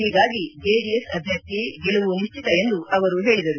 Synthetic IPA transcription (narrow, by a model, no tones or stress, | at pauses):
ɦiːɡaːɡid͡ʒeːɖiesɐdb̪ʱjɐk̚t̪iɡiɭuʋuniʃt͡ʃit̪ɐe̞nd̪uʔɐʋɐɾuɦe̞ːɭid̪ɐɾu